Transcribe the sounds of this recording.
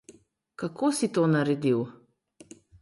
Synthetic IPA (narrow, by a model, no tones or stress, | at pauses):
kakʰosit̪onaɾɛd̪iw